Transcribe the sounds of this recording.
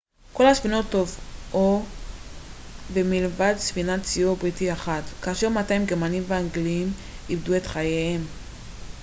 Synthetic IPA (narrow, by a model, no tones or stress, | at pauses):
ko̞lhasvino̞tːo̞vʔo | bemilvadsfinatt͡siobʁitiaχatkaːʃeʁmataimɡemanimveaŋɡliim | ibdue̞tχajeem